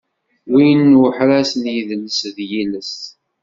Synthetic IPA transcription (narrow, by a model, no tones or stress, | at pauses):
wijnːwəħɾæsənjiðnəsðjiləst